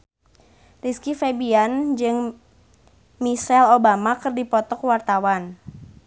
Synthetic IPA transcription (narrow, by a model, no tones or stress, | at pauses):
riskifɛbiand͡ʒɨŋ | misɛlobamakɨrdipɔt̪ɔkwart̪awan